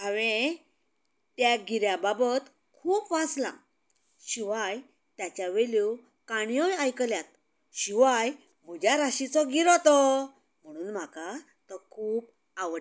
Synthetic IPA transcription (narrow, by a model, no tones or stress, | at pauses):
aʋẽ | t̪jaɡiɾjababət̪ | kʰuːpʋaslã̰ | ɕiʋaj | t̪jat͡ɕjaʋeluw | kaɽ̃ijɔjajkəljat̪̚ | ɕiʋaj | mud͡ʑaɾaɕit͡sɔɡiɾɔt̪ɔ | m̤əɽ̃uːnm̤aka | t̪əkʰuːp | aʋəʈ